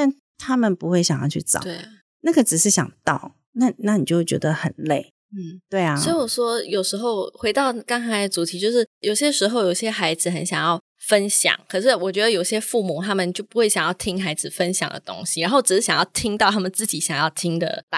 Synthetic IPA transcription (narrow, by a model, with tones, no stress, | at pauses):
t̪a˥˩n | t̪ʰa˥mə˨npu˧˥xwe˥˩ɪɕjɑ˨˩ŋjɑ˥˧t͡ɕʰy˥˩t͡sɑ̰˨˦we˥˩ɪ | na˥˩ɡə˨˩ʈ͡ʂɻ̩˨˩ʂɻ̩˥˩ɕjɑ̰˨˩ŋt̪ɑ˥˩ʊ | na˥˩˨na˥˩ni˨˩t͡ɕjo˥˩ʊt͡ɕɥɛ̰˧˥d̪ə˧xə˨˩nle˥˩ɪ | n̩˥˩t̪we˥˩ɪaswɔ˧˥i˥wɔ˨˩ʂwɔ˥jo˨˩ʊʂɻ̩˧˥xo˥˧ʊxwe˧˥ɪt̪ɑ˥˩˧ʊka˥ŋxa˧˥ɪd̪ə˧t͡su˨˥˩t̪ʰi˧˥t͡ɕjo˥˧ʊʂɻ̩˥˩jo˨˩ʊɕjɛ˥ʂɻ̩˧˥xo˥˧ʊjo˨˩ʊiɕjɛ˥xa˧˥ɪd͡zɹ̩˨xə˧˦nɕjɑ˨˩ŋjɑ˥˩ʊ | fə˦˥nɕjɑ̰˨˦ŋkʰɤ˨˩ʂɻ̩˥˩wɔ˨˩t͡ɕɥɛ˧˥d̪ə˧jo˨˩ɕjɛ˥fu˥˩mu˨˩t̪ʰa˥mə˨nt͡ɕjo˥˩ʊpu˧˥xwe˥˩ɪɕjɑ˨˩ŋjɑ˥˩ʊt̪ʰi˥ŋxa˧˥ɪd͡zɹ̩˨fə˥nɕjɑ̰˨˩ŋd̪ə̰˨˩t̪o̰˥ŋɕi˨ɻa˧˦nxo˥˩ʊʈ͡ʂɻ̩˨˩ʂɻ̩˥˩ɕjɑ˨˩jɑ˥˩ʊt̪ʰi˥ŋt̪ɑ˥˨ʊt̪ʰa˥mə˨nt͡sɹ̩˥˩t͡ɕi˨˩˥ɕjɑ˨˩ŋjɑ˥˩ʊt̪ʰi˥ŋd̪ə̰˨a˥˩